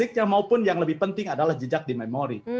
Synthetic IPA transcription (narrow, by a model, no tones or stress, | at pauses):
ɪk̚jaŋmaupʊnjaŋləbɪhpənt̪ɪŋadalahd͡ʒəd͡ʒak̚dimɛmoɾi